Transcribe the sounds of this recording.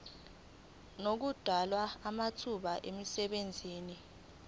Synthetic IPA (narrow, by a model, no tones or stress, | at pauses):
nok̬ud̥ʱalwaːmatʰuɓaʔemisɛɓend͡zʱiːni